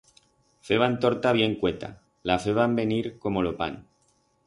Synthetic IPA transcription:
fe̞β̞ant̪o̞ɾt̪aβ̞je̞ŋkwe̞t̪a̰ | lafeβambe̞niɾko̞mo̞lo̞pa̰n

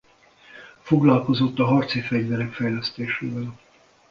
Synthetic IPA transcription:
foɡlɒlko̞zo̞t̪ːɒɦɒrt̪sifɛɟvɛɾɛkfɛjlɛst̪eːʃeːvɛl

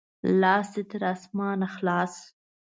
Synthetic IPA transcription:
lɑːsd̪et̪əɾɑsmɑːnaxlɑːs

